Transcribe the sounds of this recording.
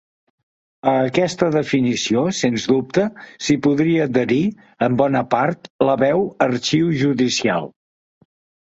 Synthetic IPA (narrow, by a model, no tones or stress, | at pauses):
əːkɛst̪əðəfinisiosenzdup̚t̪əsipuðɾiəːd̪əɾi | əmbɔnəpaɾt̪ləβɛwəɾt͡ʃiwʒuðisia̰lˠ